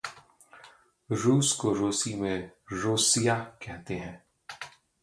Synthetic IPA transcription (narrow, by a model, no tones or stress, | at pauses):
ɾuːskoɾoːsimẽɾoːsijakɛɦt̪eɦɛ̃ː